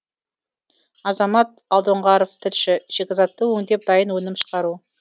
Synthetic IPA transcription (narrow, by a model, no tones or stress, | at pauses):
ɑzɑmɑt̪̚ɑlˠd̪oɴʁɑɾoft̪ʰɪlʃɪʒ̥ekʲɪzɑt̪ːəwɵŋd̪ep̚d̪ɑjənwɵnɪmʃə̥qɑɾu